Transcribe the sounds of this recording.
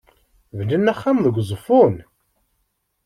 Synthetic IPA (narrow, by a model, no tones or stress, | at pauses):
vnənːæχːamðəɡʷzˤəfun